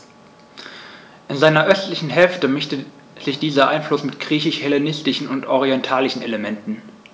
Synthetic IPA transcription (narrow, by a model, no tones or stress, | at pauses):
ʔɪnzaɪnɐʔœstlɪçn̩ɦɛlftəmɪçtə | z̥ɪçd̥iːzɐʔaɪnflʊsmɪtɡ̥ʁiːçɪʃhɛlenɪstɪʃn̩ʊntʔɔʁiɛntʰaːlɪçn̩ḛləmɛntn̩